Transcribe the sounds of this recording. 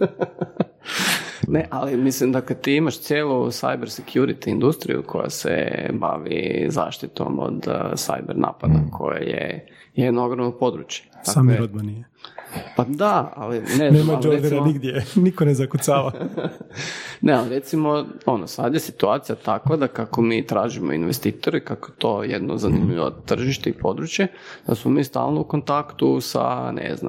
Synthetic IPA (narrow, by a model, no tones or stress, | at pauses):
neʔalimislimd̪akle̞t̪iːimaʃt̪jeːlusa̰jbeɾsekʰjuɾit̪iind̪ust̪ɾḭjṵkʰo̞̰ja̰sḛba̰ʋḭza̰ːʃt̪it̪o̞̰mo̰d̪sa̰jbeɾnʔa̰ːpad̪akʰo̞̰ja̰jḛ | jed̪nooɡɾoʋnopo̞d̪ɾut͡ʃje̥dsaaːmiɾod̪̚manijepad̪aa̰lineznemad͡ʒod̪eɾaniɡd̪jenikonezakut̪saːʋa | nealiɾet̪simo̞o̞nosad̪jesit̪uaːt̪sijat̪akʋad̪akakomiːt̪ɾaːʒimo̰inʋest̪iːt̪o̞ɾikakoet̪o̞jed̪nozanimiʋo̰t̪ːr̩ʒiʃt̪eipo̞d̪ɾut͡ɕje | d̪̥asmomiːst̪a̰ːlˠnoukont̪akt̪usa̰nḛzna